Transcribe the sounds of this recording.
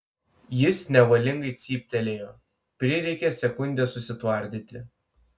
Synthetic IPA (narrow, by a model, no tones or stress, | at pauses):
jɪsnʲɛʋɐlʲɪŋɡɐɪt̪sʲiːpʲt̪ʲɛlʲeːjoː | pʲɾʲɪɾʲɛɪkʲɛsʲɛkʊnʲd̪ʲɛsʊsʲɪt̪ʋɐˑɾʲd̪ʲit̪ʲɪ